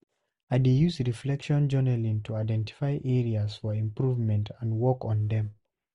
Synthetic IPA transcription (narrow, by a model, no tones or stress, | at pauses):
aɪdejusɹiflɛkʃɔ̃nd͡ʒɜnəlĩntʰuaɪdɛ̃nti̥faɪʔɛɹiaz̥fɔɹĩmpɹuvmɛ̃ntʰãndwɔkɔ̃nðɛ̃m